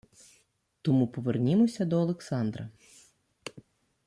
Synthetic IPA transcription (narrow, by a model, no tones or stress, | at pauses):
t̪ɔmupɔʋernʲimɔsʲɐd̪ɔɐlˠeksɑnd̪ɾɐ̰